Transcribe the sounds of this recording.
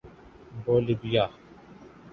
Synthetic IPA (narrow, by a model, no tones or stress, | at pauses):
boːlibijaː